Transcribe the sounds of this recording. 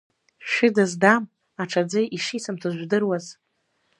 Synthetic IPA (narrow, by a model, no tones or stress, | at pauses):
ʃᶣʊdazdam | aʈ͡ʂʰad͡zɨʔiʂit͡sʰamtʰaʒᶣʷdɨrwaz